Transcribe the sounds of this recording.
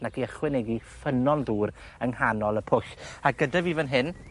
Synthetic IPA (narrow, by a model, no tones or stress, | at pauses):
naɡiəχwɪnɛɡifənɔnðuːr | əŋhanɔlˠəpʰʊɬaɡədavivənɦɪn